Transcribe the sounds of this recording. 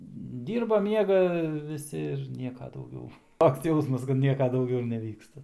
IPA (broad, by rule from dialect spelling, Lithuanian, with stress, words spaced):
ˈdʲiːrbɐ ˈmʲiɛɡɐ ʋʲɪˈsʲɪ ɪr ˈnʲiɛkɐ dɐʊˈɡʲɛʊ ˈtoːks ˈjɛʊsmɐs kɐt ˈnʲiɛkɐ dɐʊˈɡʲɛʊ ɪr nʲɛˈʋʲiːkstɐ